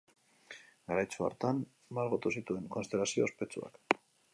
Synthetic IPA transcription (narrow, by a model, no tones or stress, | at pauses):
ɡaɾajt͡sua̰ɾt̪an | maɾɣot̪usit̪ue̞ŋko̞nst̪e̞lasio̞ːspe̞t͡sua̰k